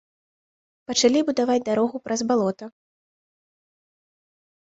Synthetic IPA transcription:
pɐt͡ʂalʲibud̪avad͡zʲd̪aɾɔɣupɾɐzbalˠɔt̪ɐ

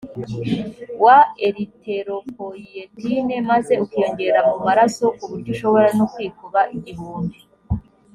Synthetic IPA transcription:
waeɾite̞ɾo̞poijetine̞maze̞ukeoɲɟe̞ɾamumaɾaso̞ʔkuβuɾɟuʃo̞βo̞ɾanokwiːkuβaʔiɟiβuːndi

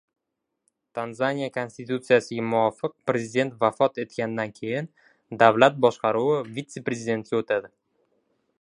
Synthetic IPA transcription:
t̪ʰanzanʲijakʰo̞nsʲt̪it̪ut̪sɨjasɪɡʲamʊɒfɨq̚pɾe̞zid̪e̞nt̪vafɒt̪e̞t̪kʲand̪ankʲʰe̞jɪn | d̪avlat̪̚bɒʃqɑɾuwɪvit̪sːe̞pɾe̞zʲid̪e̞nt̪ʲɪot̪ʰad̪ɪ

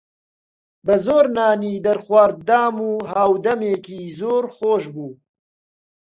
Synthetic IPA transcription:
bəzoːɾnaːniːd̪ɐɾxwaːɾ̚d̪aːmuːɦaːwd̪ɐmeːkiːzoːɾxoːʃbuː

